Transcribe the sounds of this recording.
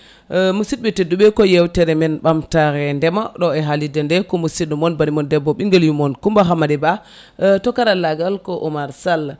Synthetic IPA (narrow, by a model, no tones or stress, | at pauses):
musid̚ɓɛtedːuɓɛkɔjɛwtɛɾɛmɛnɓamtaɾɛndɛmaɗɔɛɦalidɛndɛkɔmusidumɔnbanimɔndɛbːɔɓiŋɡɛljumɔnkumbaɦamadɛba | tɔkaɾalaɡalkɔʔɔmaɾsal